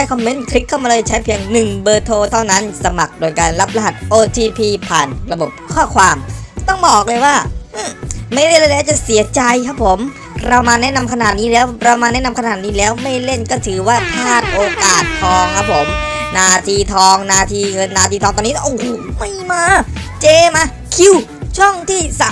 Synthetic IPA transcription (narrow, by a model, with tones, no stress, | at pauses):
a˦˥jkʰɔ˧mːe˦˥nkʰɾi˦˥kʰːa˥˩wmaː˧lɤː˧jt͡ɕʰa˦˥jpʰi˧əŋnɯ˨˩ŋbɤː˧t̪ʰoː˧t̪ʰa˥˩wna˦˥nsa˧ma˨˩k̚dou˧jkaː˧nla˦˥p̚ɾa˧˩ɦa˨˩t̪̚ʔoː˧t̪ʰiː˧pʰiː˧pʰaː˨˩nɾa˧bo˨˩p̚kʰɔː˥˩kʰwaː˧mt̪ɔ˥˩ŋbɔː˨˩k̚lɤː˧jwaː˥˩ʔɯ˥˩ma˥˩jle˥˩nləː˧lɛː˦˥wt͡ɕa˨˩si˩˦ɐt͡ɕa˧jkʰa˦˥pʰo˩˦m | ɾa˧wmaː˧nɛ˦˥na˧mkʰa˧naː˨˩t̪̚niː˦˥lɛː˦˥˩wɾa˧maː˧nɛ˦˥na˧mkʰa˧naː˨˩t̪niː˦˥lɛː˦˥wma˥˩jle˥˩nkɔː˥˩t̪ʰɯː˩˦waː˥˩t̪ʰaː˥˩t̪̚ʔoː˧kaː˨˩t̪ʰːɔː˧ŋkʰa˦˥pʰo˩˦mnaː˧t̪ʰiː˧t̪ʰɔː˧ŋnaː˧t̪ʰiː˧ŋɤ˧nːaː˧t̪ʰiː˧t̪ʰɔː˧ŋt̪ɔː˧ni˦˥˩ʔo˧˩˨ma˥˩jmaː˧ | t͡ɕeː˧maː˧ | kʰi˧wt͡ɕʰɔ˥˩ŋt̪ʰiː˥˩sa˧˩